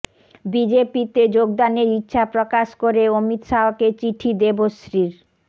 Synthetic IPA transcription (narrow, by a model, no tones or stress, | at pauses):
bid͡ʑepit̪ed͡ʑoɡd̪aneɾitːɕʰapɾokaʃkoɾeomit̪ʃaɦoket͡ɕiʈʰid̪ebosɾiɾ